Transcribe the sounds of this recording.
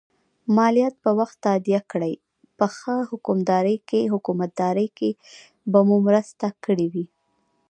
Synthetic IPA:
mɑlijat̪̚pəwaxt̪ːad̪ijakɽəj | pəxəhʊkʊmd̪ɑɾəjkeɦʊkumat̪̚d̪ɑɾəjke | bamumɾəst̪akəɽiwi

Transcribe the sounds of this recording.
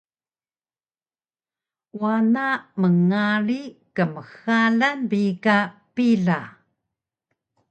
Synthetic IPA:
wanaməŋaɾikəməxalanbikapiɮa

